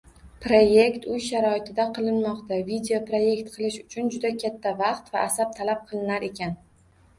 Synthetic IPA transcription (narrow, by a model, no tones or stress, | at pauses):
pɾoje̞kʲt̪ʊjʃaɾɒɪt̪ʰɪd̪aqʰɨlˠɪnmɒqt̪avid̪eopɾoje̞kʲt̪qʰɨlˠɪʃʊt͡ʃʰʊnd͡ʒʊd̪akʲʰat̪ʰːavɑqt̪vaʔasab̚t̪ʰalap̚qʰɨlˠɪnaɾe̞kʲan